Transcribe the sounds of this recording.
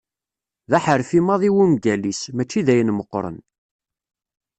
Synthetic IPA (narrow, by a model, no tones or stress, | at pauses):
ðæħəɾfimɑðˤiwumɡælismæt͡ʃːiðæjənməqːɾˤə̰n